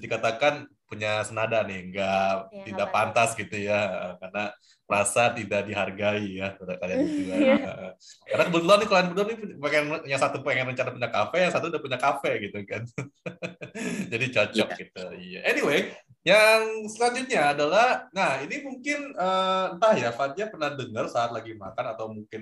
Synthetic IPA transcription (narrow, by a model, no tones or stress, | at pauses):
dikat̪akan | puɲasənadanɪhŋɡat̪idaʔpant̪asɡit̪ujaəʔəkarna | rasat̪idaʔdiɦarɡaijakdakaliaiuaə̰ʔəkarnakəbət̪uluanɪkolaanbət̪anipakaɲasat̪upəɛŋɛnrəɲt͡ʃanapuɲakafɛjasat̪uudahpuɲakafɛɡit̪ukan | d͡ʒadit͡ʃɔt͡ʃɔk̚ɡit̪uijaʔeniwe | jaŋsəlaɲd͡ʒut̪̚ɲaːdalahnahinimuŋkɪnəːənt̪ahjafat̪̚iɲapərnahdəŋərsaːt̪laɡimakanat̪awmuŋkɪn